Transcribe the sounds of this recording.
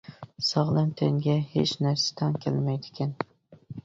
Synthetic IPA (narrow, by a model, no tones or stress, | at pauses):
sɒʁlˠɪnt̪ʰeŋɡʲahḛt͡ʃnaɾsḁt̪ʰankʲʰḛlmajd̪ɪ̥kʲʰan